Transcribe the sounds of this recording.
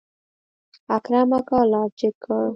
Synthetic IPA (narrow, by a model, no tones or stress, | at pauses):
akɾamakalɑd͡ʒɪkʰə